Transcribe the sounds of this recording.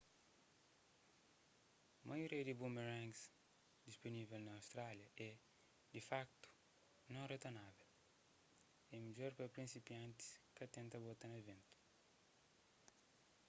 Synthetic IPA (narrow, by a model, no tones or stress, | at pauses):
majoɾiɐd̪ibumeɾãŋs | d̪ispunivelnɐːwst̪ɾaljɐɛ | d̪ifakt̪u̥ | nõŋret̪anavel | ɛmid͡ʒoɾpɐpɾĩnsipjãnt̪i̥skɐt̪ẽnt̪ɐbot̪anɐvẽnt̪u̥